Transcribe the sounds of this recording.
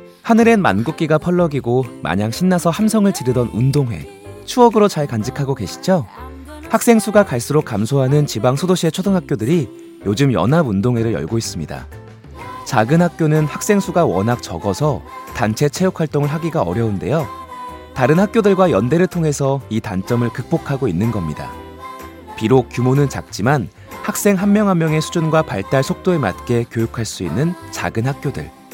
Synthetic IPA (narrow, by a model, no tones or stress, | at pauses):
hanɯɾe̞nma̰nɡuk͈̚iɡapʰʌɭːʌɡiɡoma̰ɲaŋɕʰinːasʰʌhamsʰʌŋɯɭt͡ɕiɾɯdʌnundoŋwe̞̰ | t͡ɕʰuʌɡɯɾot͡ɕaɭkand͡ʑikʰaɡoke̞ɕʰi̥d͡ʑo | hak̚s͈eŋsʰuɡakaɭs͈ɯɾok̚k͈amsʰoɦanɯnt͡ɕibaŋsʰodoɕʰie̞t͡ɕʰodɯŋɦak̚k͈jodɯɾi | jod͡ʑɯmjʌ̰nabundoŋɦwe̞ɾɯɭjʌ̰ɭɡois͈ɯmɲida̰ | t͡ɕaɡɯnhak̚k͈jonɯnhak̚s͈e̞ŋsʰuɡawʌ̰nɦak̚t͡ɕʌ̰ɡʌsʰʌtant͡ɕʰe̞t͡ɕʰe̞jokʰwaɭt͈oŋɯɭɦaɡiɡaʌɾjʌunde̞jo | taɾɯnhak̚k͈jodɯɭɡwajʌnde̞ɾɯɭtʰoŋɦe̞sʰʌitant͡ɕ͈ʌmɯɭkɯk̚p͈okʰaɡoinːɯnɡʌmɲida̰ | piɾok̚k͈jumonɯnt͡ɕak̚t͡ɕ͈iman | hak̚s͈e̞ŋɦanmjʌŋɦamːjʌŋe̞sʰu̥d͡ʑunɡwapaɭt͈aɭsʰok̚t͈oema̰t̚k͈e̞kjojukʰaɭs͈uḭnːɯnt͡ɕa̰ɡɯnɦak̚k͈jodɯ̰ɭ